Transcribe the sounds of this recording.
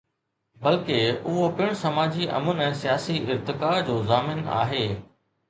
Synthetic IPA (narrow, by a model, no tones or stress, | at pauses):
bɐlkeʊɦopɪɽ̃sɐmaːd͡ʑiʔɐ̰mʊnɛ̃ːsijaːsiɪɾt̪ɪkaːd͡ʑoːzaːmɪna̰ːɦeː